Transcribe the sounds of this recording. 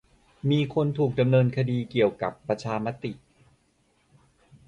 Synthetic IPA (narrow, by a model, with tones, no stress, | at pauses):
miː˧kʰo˧nt̪ʰuː˨˩k̚da˧mnɤː˧nkʰa˧diː˧ki˨˩əwka˨˩pːɾa˧t͡ɕʰaː˧ma˦˥t̪i˨˩ʔ